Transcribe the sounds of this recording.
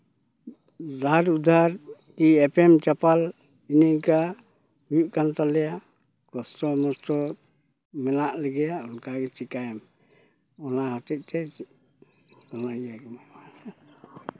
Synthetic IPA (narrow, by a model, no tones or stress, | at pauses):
daɾud̪ʱaɾ | kiɛpɛmt͡ʃapal | iniʔka | hujuʔkant̪alɛjaʔ | kɔsʈɔmɔsʈɔ | mɛnaʔlɛɡɛjaʔulkaɡɛt͡ʃikajɛm | ɔnahɔtɛc̪̚ˀt̪ɛ | tanaaɡma